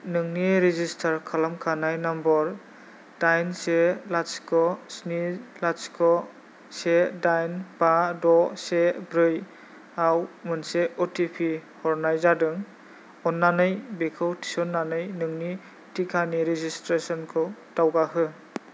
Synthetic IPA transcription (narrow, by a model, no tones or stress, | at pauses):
nɯŋniɾizistʰaɾkʰalamkʰanajnambɔɾ | d̥ajnselaskʰɔsnilaskʰɔ | sedajnpadɔsebɾɯj | awmɯnseɔtipʰihɔɾnajzadɯŋ | ɔnːanɯjbekʰɯwtʰi̥sɔnːanɯjnɯŋni | tikʰaniɾizistɾesɔnkʰɯwtawɡaɦɯ